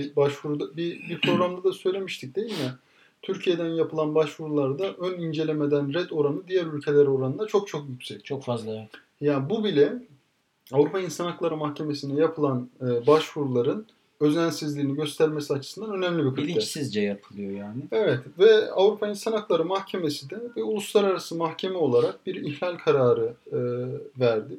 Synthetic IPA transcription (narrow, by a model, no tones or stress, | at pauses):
ibaʃvuɾud̪abibipʰɾo̞ɡɾamd̪ad̪asø̞jlʲe̞miʃt̪ʰic̚d̪e̞jilʲmɛ | t̪ʰyɾcʰije̞d̪ænjapʰɯlˠanbaʃvuɾulˠaɾd̪aʔønind͡ʒe̞lʲe̞me̞d̪ænɾɛd̪o̞ɾanɯd̪ijæɾylʲcʰe̞lʲæɾo̞ɾanɯnd̪at͡ʃʰo̞k̚t͡ʃʰo̞kjycʲsɛct͡ʃʰokfazlˠa | jaːbubilʲɛ | avɾupʰainsanaklˠaɾɯmahcʰe̞me̞sinɛjapʰɯlˠanɯːbaʃfuɾulˠaɾɯn | ø̞znænsizlʲiːniɟø̞st̪ʰæɾmesiat͡ʃʰɯ̥sɯnd̪anø̞næmlʲibikʰɯiisizd͡ʒɛjapʰɯlˠɯjojaːnɪevɛt̪vɛavɾupʰainsanaklˠaɾɯmahcʰe̞me̞sid̪ɛvɛulˠuslˠaɾaɾasɯmaxcʰe̞mɛo̞lˠaɾak̚biɾiçlʲalʲkʰaɾaːɾɯɯvæɾd̪ɪ